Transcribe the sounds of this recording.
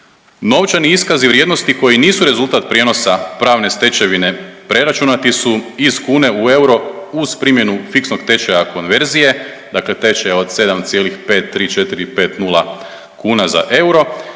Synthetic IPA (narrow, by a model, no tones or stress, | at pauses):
no̞ʋt͡ʃaniiskaziʋɾjed̪no̞st̪iko̞jiniːsuɾe̞zulˠt̪at̪̚pɾje̞no̞sapɾaːʋne̞st̪e̞t͡ɕe̞ʋine̞pɾe̞ɾat͡ʃunat̪isuiz̥kuːne̞ue̞wɾo̞uz̥pɾimje̞nufiksno̞ɡt̪e̞t͡ʃejako̞nʋe̞ɾzije̞ | d̪akle̞t̪e̞t͡ʃejo̞d̪se̞d̪amt̪sjelixpe̞ːt̪ːɾiːt͡ʃe̞t̪iɾipe̞ːt̪nulˠa | kuːnaza̰ʔe̞wɾo̞